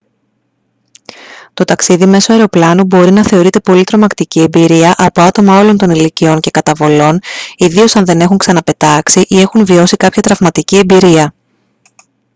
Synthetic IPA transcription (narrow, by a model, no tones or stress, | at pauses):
t̪o̞t̪ɐksiðime̞soɐeɾo̞plɐnubo̞ɾinɐθe̞o̞ɾit̪e̞po̞lit̪ɾo̞mɐkt̪icie̞mbiɾiɐʔɐpo̞ɐt̪o̞mɐo̞lo̞nt̪o̞nilicio̞ɲce̞kɐt̪ɐvo̞lo̞niðio̞sɐnðe̞ne̞xuŋksɐnɐpe̞t̪ɐksiʔie̞xunvio̞sikɐpçɐt̪ɾɐvmɐt̪icie̞mbiɾiɐ